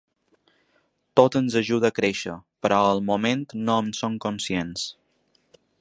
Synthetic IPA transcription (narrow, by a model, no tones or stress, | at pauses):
t̪ot̪ənzəʒuðəːkɾeʃə̰pəɾɔəlˠmument̪noəmsoŋkunsjens